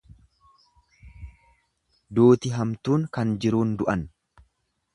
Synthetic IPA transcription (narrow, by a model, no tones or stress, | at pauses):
d̪uːt̪ɪɦɐmt̪uːŋkɐnd͡ʒɪɾuːnd̪ʊʔɐn